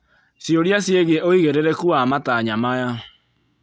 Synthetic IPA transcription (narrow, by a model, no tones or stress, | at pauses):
sjoɾjasjeɣeoiɣeɾɛɾɛkuamataɲamaja